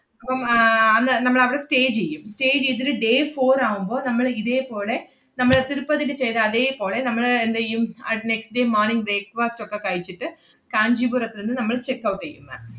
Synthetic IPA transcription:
ɐpːɐmɐnd̪ɐnɐmːɐɭɐʋɐɽɐ̃sʈeːd͡ʒɛjːɯmsʈeːd͡ʒɪðɪɾɯɖeːfoːɾaːʋɯmboːnɐmːɐɭɪðeːpoːle | nɐmːɐɭɐt̪ɪɾɯpːɐðɯkːɐt͡ʃɛjðaɐðeːpoːlenɐmːɐɭɐɛnd̪ɐɐnɛksʈ̚ɖeːmaːɾnɪŋɡbɾeːk̚ʋaːsʈɔkːakaːɪt͡ʃːɯʈːɯ | kaːɲd͡ʒibuɾɐt̪ːɪɾɯnd̪ɯnɐmːɐɭt͡ʃɛkːɐʊʈːɛjːɯmːɐ̰

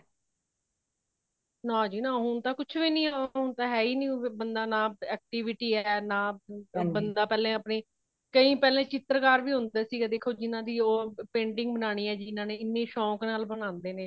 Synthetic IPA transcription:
nãːd͡ʒiːnãːɦʊnt̪aːkʊt͡ʃʰʋiːnĩːaːɦʊnt̪aːɦɛːiːnĩːbənd̪aːnaːɛːk̚ʈiːʋɪʈiːɛːnaːbənd̪aːpɛːlẽːəpneː | kəĩːpɛːlẽːt͡ʃɪt̪ɾəkaːɾʋiːɦʊnd̪ɛːsiːɡaːd̪eːkʰoːd͡ʒɪnãːd̪iːoːpẽːɳʈɪ̃ŋɡ̚bənaːɽ̃iːɛːd͡ʒiːɪnãːneːɪnːẽːʃɔ̃ːknaːlbəñãːnd̪eːnẽː

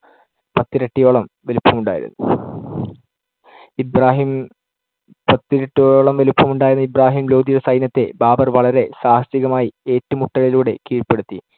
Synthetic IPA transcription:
pɐt̪ːiɾɐʈːijo̞ːɭɐmʋelupːɐmuɳɖa̰ːjḭɾṵnːṵ | ibraːɦim | pɐt̪ːiɾɐʈːijoɭo̞ːɭɐmʋe̞lupːɐmuɳɖaːjɾunːɐibraːɦiːmlo̞ːd̪ijsɐjnɐt̪ːe̞baːbɐrʋɐɭɐɾe̞saːhɐsiɣɐmaːjie̞ːtːumuʈːɐɭiluːɽe̞kiːrpe̞ɽut̪ːi

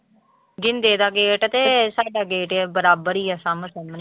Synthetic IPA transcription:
ɡɪnd̪eːd̪aːɡeːʈət̪eːsaːɖaːɡeːʈɛbəɾaːbəɾiːəsãːmət̪əmn

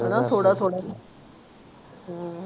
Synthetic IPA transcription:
nat̪ʰoɽat̪ʰoɽas

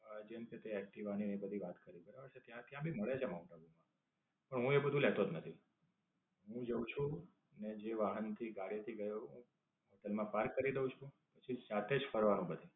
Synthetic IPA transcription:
d͡ʒemket̪eɛk̚ʈiʋaɽ̃inebəd̪ʱiʋat̪kəɾibəɾaʋəɾt͡ʃʰet̪jãt̪jãbʱiməɭet͡ʃʰemãwʈabumã | pəɳɦũebəd̪ʱũlɛt̪od̪nət̪ʰi | ɦũd͡ʒəũt͡ʃʰũ | ned͡ʒeʋaɦənt̪ʰiɡaɽit̪ʰiɡəjoɦũ | ɦoʈəlmãpaɾkːəɾid̪eũt͡ʃʰũ | pət͡ʃʰisat̪ed͡ʒfʰəɾʋanũbəd̪ʱi

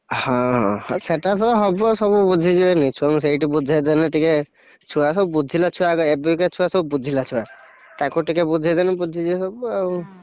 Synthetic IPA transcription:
hɔ̃ɦɔ̃hɔ̃seʈat̪ʰɔɔɦɔbɔsɔbubud͡ʒʱid͡ʒienit͡ʃʰuams̬ejʈibud͡ʒʱed̪anɛʈike | t͡ʃʰuasɔbubud͡ʒʱilat͡ʃʰuaɡɔebiiket͡ʃʰuasɔbubud͡ʒʱilat͡ʃʰua | t̪akuʈikebud͡ʒʱad̪anɛbud͡ʒʱid͡ʒisɔbuau

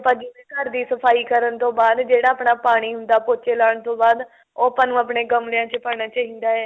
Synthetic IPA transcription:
pəd͡ʒiẽːkəɾd̪iːsəpʰaːiːkəɾənt̪õːbaːd̪d͡ʒeːɽaːəpɳaːpaːɽ̃iːɦʊnd̪aːpoːt͡ʃeːlaːɳt̪õːbaːd̪ | oːpãːnũːəpɳeːɡəmlɪjãːt͡ʃəpaːñaːt͡ʃaːɦĩːnd̪aːɦɛː

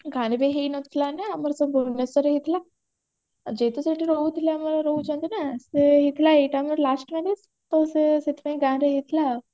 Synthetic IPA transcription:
ɡʱanbeɦenət̪ʰlanaməɾsəbunesəɾɦit̪la | d͡ʑet̪osaʈiɾout̪iljaməɾɾoud͡ʑãt̪enaseɦit̪ʰlaeʈaməɾlasʈminis | t̪oseset̪ʰbẽiɡãɳbeɦit̪ʰla

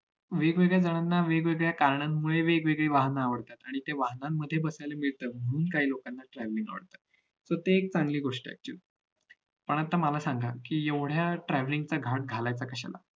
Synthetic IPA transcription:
ʋeɡʋeɡɭjad͡zəɽ̃anːaʋeɡʋeɡɭjakaɾɳamːuɭeʋeɡʋeɡɭeʋaɦnaːʋəɽt̪at̪aɽ̃it̪eʋaɦnamːəd̪ʱːjebəsajlemiɭt̪əːm̤əɽ̃uːnkaɦiːlokanːaʈɾɛʋlĩŋɡa̰ʋə̰ɽt̪at̪̚ | sot̪eːk̚t͡saŋɡliːɡoʂʈia̰k̚t͡ɕṵ | pəɳ̃at̪amalasaŋɡʱakiːeʋɽ̤jaʈɾɛʋliŋɡt͡saɡʱaʈ̚ɡʱalajt͡sakəɕa̰la̰

